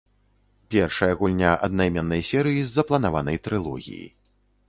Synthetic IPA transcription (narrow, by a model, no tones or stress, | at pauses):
pʲɛrʂɐjɐɣulʲnʲaʔɐ̰d̪̚najmʲɛnːɐjsʲɛɾɨjizːɐplˠɐnavan̪ɐjt̪ɾɨlˠɔ̰ɣʲḭjḭ